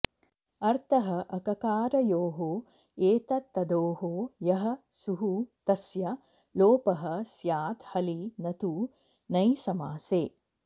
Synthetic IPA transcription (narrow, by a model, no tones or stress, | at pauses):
ɐɾt̪ʰɐɦɐʔɐkɐkaːɾɐjoːɦoː | eːt̪ɐt̪ːɐd̪oːɦoːjɐɦɐ̆suɦut̪ɐsjɐ | loːpɐɦɐ̆sjaːt̪hɐlinɐt̪uː | nɐjsɐmaːseː